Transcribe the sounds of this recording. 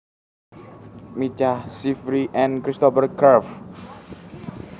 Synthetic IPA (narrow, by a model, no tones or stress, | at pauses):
mit͡ʃahsifɾiʔɛ̃nkɾist̪ɔfərkʰərf